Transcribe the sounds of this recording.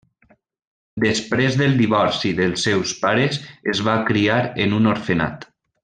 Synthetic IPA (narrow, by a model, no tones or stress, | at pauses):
d̪əspɾezðəlˠd̪iβɔɾsiðəlˠsːɛwspaɾezezβakɾiaɾenunoɾfena̰t̪